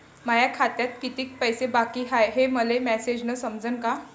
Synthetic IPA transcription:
majakʰat̪jat̪kit̪iːk̚pəjsebakiːɦajɦeməlemæsed͡ʑnəsəmd͡zənka

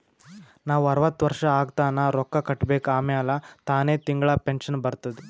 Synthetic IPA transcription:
naːʋuɐɾɐʋɐt̪ːʋɐɾʂɐaːɡt̪aːnaːɾɔkːɐkɐʈːbeːkaːmɛjalɐt̪aːne̞ːt̪iŋɡɐɭɐpenʂɐnbɐɾt̪ɐd̪ɛ

